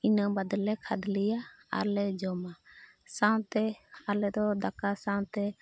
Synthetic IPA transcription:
inəbad̪lɛkʰad̪lija | a̰lɛd͡ʒɔma | sãw̃t̪ɛalɛd̪ɔd̪akasãwt̪ɛ

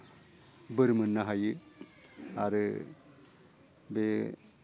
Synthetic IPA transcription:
bəɾmənːaɦaji | aɾ | be

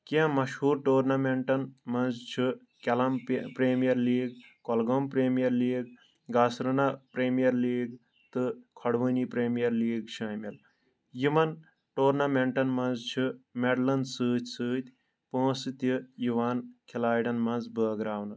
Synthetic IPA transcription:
kʲẽmɐʃhuːɾʈoːɾnɐmeɳʈɐnmɐnzt͡ʃʰi | kʲɐlɐmpɾeːmijɐɾliːɡkɔlɡompɾeːmijɐɾliːɡ | ɡaːsɾɨnapɾeːmijɐɾliːɡ | t̪ɨkʰɐɽʋɨnipɾeːmijɐɾliːɡt͡ʃʰɐmɐl | jimɐn | ʈoːɾnɐmeɳʈɐnmɐnzt͡ʃʰɨmeɖlɐndsɨːt̪ʲsɨːt̪ʲ | põːsɨt̪ʲijiʋaːnkʰilaːjɖɐnmɐnzbəːɡɾaːwnɨ

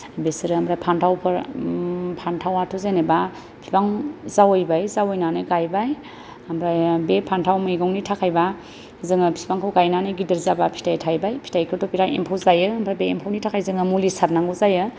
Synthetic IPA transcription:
besiɾɯambɾajpʰantʰawpʰɯɾ | pʰantʰawatʰuzaneba | pʰibaŋzawɯjbajzawɯjnanɯɡajbaj | amɾajbepʰantʰawmɯjɡaŋnitʰakʰajba | zɯŋɯpʰi̥sbaŋkʰawɡajnanɯɡidɯɾzabapʰi̥tajtʰajbajpʰi̥tajkʰɯɾtɔpʰiɾajʔḛmpʰawzajɯambɾajbeːmpʰawnitʰakʰajzɯŋɯmulisaɾnaŋɡuzajɯ

